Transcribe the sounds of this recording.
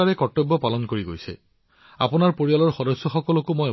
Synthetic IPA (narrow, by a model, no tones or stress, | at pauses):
aɹɛkɔtːɔbːɔpalɔnkoɹiɡo̰jsɛ̰ | a̰pʊnaɹpoɹialɔɹxɔdɔsːɔxɔkɔlɔkʊmɔj